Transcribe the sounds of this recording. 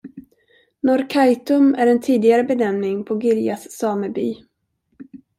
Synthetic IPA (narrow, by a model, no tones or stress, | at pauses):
nɔɾkʰajt̪ɵmæɾɛnt̪ʰiːd̪ɪɡaɾəbɛnɛmnɪŋpʰɔɡɪɾjasːɑːməby̰ː